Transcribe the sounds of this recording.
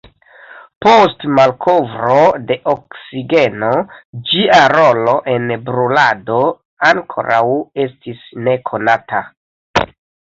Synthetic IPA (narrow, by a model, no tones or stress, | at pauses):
po̞stmalkʰo̞vɾo̞de̞ʔoksiɡe̞no̞d͡ʒiaɾo̞lo̞ʔe̞nbɾulado̞ | aŋkʰo̞̰ɾa̰we̞stisne̞kʰo̞natʰa